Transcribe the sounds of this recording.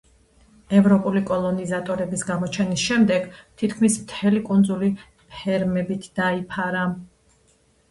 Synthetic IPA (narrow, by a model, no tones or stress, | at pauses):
ɛvɾɔpʼulikʼɔlˠɔnizat̪ʼɔɾɛbisɡamɔt͡ʃʰɛnisʃɛmd̪ɛɡt̪ʰit̪ʰkʰmismt̪ʰɛlikʼund̪zuli | hɛɾmɛbit̪ʰd̪̥aipʰaɾa